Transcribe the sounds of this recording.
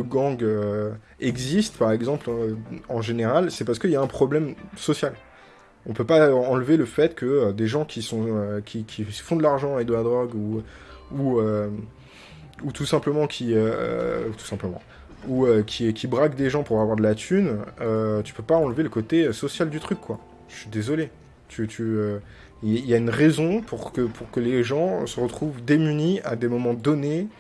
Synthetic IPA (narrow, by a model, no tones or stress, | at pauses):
əɡɑ̃ɡø | ɛɡzist̪paʁɛɡzɑ̃plɑ̃ʒeneʁalsɛpaʁsə̥kəiljaɛ̃pχɔblɛmsɔsjal | ɔ̃pøpaɑ̃lveləfɛt̪kʰəød̪eʒɑ̃kʲisɔ̃økʲikʲʰifɔ̃d̪əlaʁʒɑ̃ed̪əlad̪ʁɔɡu | uø | ut̪usɛ̃pləmɑ̃kʲʰiø̰t̪ʰu̥sɛ̃pləmɑ̰̃ | uøkʲʰikʲibʁakd̪eʒɑ̃puʁavwaʁd̪əlat̪ʰynøt̪y̥pøpaɑ̃lveləkot̪eøsɔsjald̪yt̪χykʰːwa | ʃɥid̪ezɔle | t̪ʰyt̪ʰyø | iailjaynʁɛzɔ̃puʁkəpʰuʁkəleʒɑ̃səʁət̪χuvd̪emyniad̪emɔmɑ̃d̪ɔne